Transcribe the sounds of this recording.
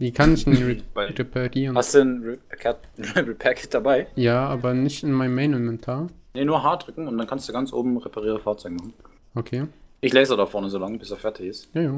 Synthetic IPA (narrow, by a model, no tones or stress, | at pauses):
v̥iːkʰanɪç̥b̥aʁepʰaʁiːʁənhastd̥uːnkʰɛɐtn̩ʁɛɪbl̩pʰɛkʰɪt̚d̥abaɪjaːʔaːbɐnɪçtɪnmaɪnmaɪnɪnmɛntʰaːɐnənuːɐɦaːdʁʏkŋ̩ʊntd̥ankʰanstd̥uːɡant͡sʔo̰ːbm̩ʁepʰaʁiːʁəfaːɐt͡sɔʏɡəmaχn̩ | ʔokʰeːʔɪçlɛːksdadafɔɐnəzoːlaŋbɪsdafɛɐtʰɪçɪstjaːjaː